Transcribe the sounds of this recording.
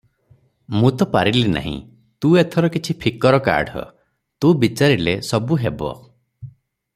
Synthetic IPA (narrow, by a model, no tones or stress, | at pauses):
mũt̪ɔpaɾilina̰ɦḭ̃ | t̪ũet̪ʰɔɾɔkit͡ʃʰipʰikɔɾɔka̰ɾɖʱɔ̰ | t̪ũbit͡ʃaɾilesɔbuɦebɔ̰